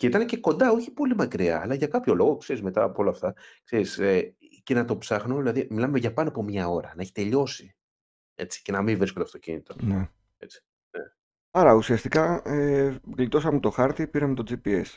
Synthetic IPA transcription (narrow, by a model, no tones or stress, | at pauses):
ceit̪ɐnece̞ko̞nd̪ɐo̞çi̥po̞limɐkɾiɐ̰ːlɐʝɐkɐpço̞lo̞ɣo̞kse̞ɾizme̞t̪ɐːpoo̞lɐːft̪ɐkse̞ɾise | ce̞nɐt̪o̞psɐxnoðilɐðimilɐmeʝɐpɐnoɐpo̞mɲɐo̞ɾɐ̰nɐe̞çi̥t̪e̞ʎo̞si | e̞t͡si̥ce̞nɐmiɱvɾiskod̪ɐft̪ocḭnit̪o̞ne | e̞t͡si̥ | ne | ɐɾɐusiɐst̪ikɐeɣlit̪o̞s̬ɐmot̪o̞xɐɾt̪ipiɾɐmet̪o̞d͡zipie̞s